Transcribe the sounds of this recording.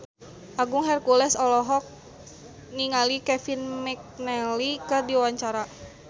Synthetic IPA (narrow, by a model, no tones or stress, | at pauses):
ʔaɡʊŋɦɛrkulɛsɔlɔɦɔk̚ | niŋalikɛfinmɛk̚nɛlikɨrdiwaɲt͡ʃaɾa